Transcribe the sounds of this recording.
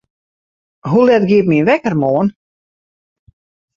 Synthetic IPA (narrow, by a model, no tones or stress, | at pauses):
ɦulɛtɡiəp̚minʋɛkərmoːən